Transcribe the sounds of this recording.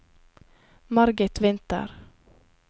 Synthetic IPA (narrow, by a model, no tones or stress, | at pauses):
maɾɡət̪vɛnt̪a̰ɾ